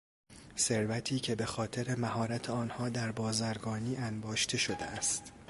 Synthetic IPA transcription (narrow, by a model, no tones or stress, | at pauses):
se̞ɾvæt̪ʰiːcʰe̞be̞xɒːt̪ʰe̞ɾe̞mæɦɒːɾæt̪ʰeɒːnhɒːd̪æɾbɒːzæɾɡɒːniːænbɒːʃt̪ʰe̞ʃo̞d̪eæst̪